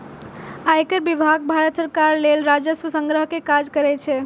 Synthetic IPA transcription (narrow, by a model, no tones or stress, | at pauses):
aekəɾbibʱaɡ̚bʱaɾət̪səɾkaɾlelɾad͡ʒəswəsə̃ŋɡɾəɦkekad͡ʒkəɾɛt͡ʃʰɛ